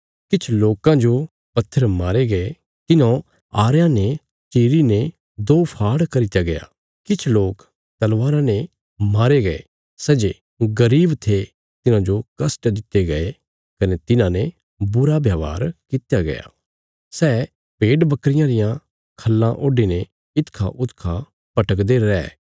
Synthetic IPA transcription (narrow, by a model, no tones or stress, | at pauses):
kɪt͡ʃʰloːkãd͡ʒo | pɐt̪ʰːəɾmaːɾeɡɐe | t̪ɪnõ | aːɾjãne | t͡ʃiːɾine | d̪oːpʰaːɽkɐɾɪt̪jaɡɐja̰ | kɪt͡ʃʰloːk | t̪ɐlʋaːɾãne | maːɾeɡɐḛ | sɛd͡ʒe | ɡɐɾiːbt̪ʰe | t̪ɪnãd͡ʒokɐsʈd̪ɪt̪ːeɡɐe | kɐnet̪ɪnãne | bʊɾabʱjaːʋa̰ːɾkɪt̪jaɡɐ̰ja̰ː | sɛː | peːɖbɐkɾɪjãɾɪjã | kʰɐlːãʔoːɖinẽ | ɪt̪kʰã̰ʔʊt̪kʰã | pɐʈəkd̪eɾɛ̰ː